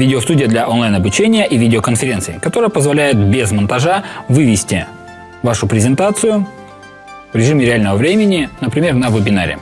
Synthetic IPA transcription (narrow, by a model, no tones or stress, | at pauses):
vʲidʲɪost̪udʲɪjəd̪lʲɐʔonlˠajnɐbʊt͡ɕenʲɪjəʔivʲidʲɪokənfʲɪɾʲe̞nsɨɪkɐt̪o̞ɾəjəpəzvɐlʲæjɪt̪̚bʲezmənt̪ɐʐavɨvʲɪsʲtʲɪ | vaʂʊpɾʲɪzʲɪnt̪at̪sɨjʊ | vɾʲɪʐɨmʲɪɾʲɪalʲnəvəvɾʲemʲɪnʲɪnəpɾʲɪmʲe̞rnəvɨbʲɪnaɾʲɪ̰